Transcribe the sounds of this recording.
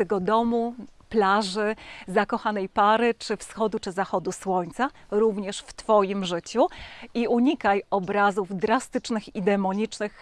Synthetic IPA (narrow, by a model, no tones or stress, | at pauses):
ɛɡɔd̪ɔmuplaʐɘzakɔxanɛjpaɾɘt͡ʂɘfsxɔd̪ut͡ʂɘzaxɔd̪uswɔɲt̪saɾuvɲɛʂft̪fɔjimʐɘt͡ɕuiuɲikajɔbɾazuvd̪ɾast̪ɘt͡ʂnɘxid̪ɛmɔɲit͡ʂnɘx